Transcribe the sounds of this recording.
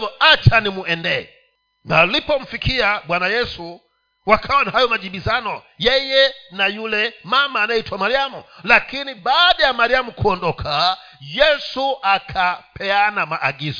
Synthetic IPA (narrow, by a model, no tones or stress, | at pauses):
vɔat͡ʃʰanimuɛndɛɛ | ŋalipɔm̩fikʰiaɓwanajɛsu | wakʰawɔnahajɔmad͡ʒiɓizanɔ | jɛjɛnajulɛmamaːnajitʰwamaɾiamulakʰinibaɗajamaɾiamukʰuɔndɔkʰa | jɛsuakʰapʰɛanamaʔaɡiːzɔ